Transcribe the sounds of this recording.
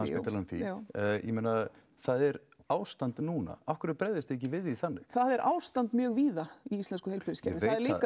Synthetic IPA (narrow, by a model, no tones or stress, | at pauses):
asɪt̪ʰalanθḭjɛ̰mejna | θaðɛɾ | aːwst̪ant̪nuːna̰afkʏɾɪt̪pɾɛððɪst̪ɛc̬ːɪvɪðiθanːɪθaðɛɾʔa̰ːwst̪ant̪mjœːɣviːðaiist̪lɛnskʏhejlpɪɾɪscɛveaðɛɾlik